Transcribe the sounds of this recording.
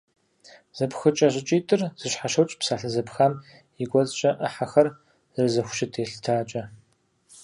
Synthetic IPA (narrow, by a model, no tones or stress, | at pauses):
z̥ɐpxɨt͡ʃʼɐʑɪt͡ʃʼiːtʼɨrz̥ɨɕħaʃɐwt͡ʃʼpsaːɬɐzɐpxaːm | ɪɡʷɔzɕʼɐʔɐħaxɐr | ɨrɨzɐxʷʊ̥ʃɪtʰeːɬtʰaːt͡ʃʼɐ